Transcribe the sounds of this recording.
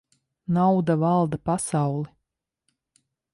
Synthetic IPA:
nawd̪avalˠd̪apasɑwlˠi

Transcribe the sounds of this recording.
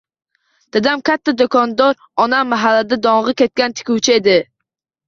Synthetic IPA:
d̪̥ad̪amkʲʰat̪ʰːad̪okʰɒnd̪ɒɾ | ɒnamːaɦalːad̪ad̪ɒɴʁɨkʲe̞t̪̚kʲant̪ʰɪ̥kʲʰuwt͡ʃʰɪe̞d̪ɪ

